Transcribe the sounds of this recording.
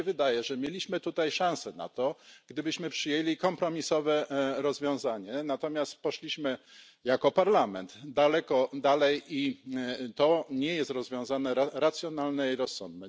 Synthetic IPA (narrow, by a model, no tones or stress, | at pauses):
ɛvɘd̪ajɛʐɛmʲjelʲiɕmɘt̪ut̪ajʂãw̃sɛna̰t̪ɔɡ̥d̪ɘbɘɕmɘpʂɘjelʲikɔmpɾɔmʲisɔvɛɾɔzvʲjɔ̃w̃zaɲɛnat̪ɔmʲjast̪pɔʂlʲiɕmɘ | jakɔpaɾlamɛnt̪d̪alɛkɔd̪alɛji | t̪ɔɲɛjɛst̪ɾɔzvʲjɔ̃w̃zanɛɾaɾat̪sʲjɔnalnɛiɾɔsːɔ̰nd̪̚nɛ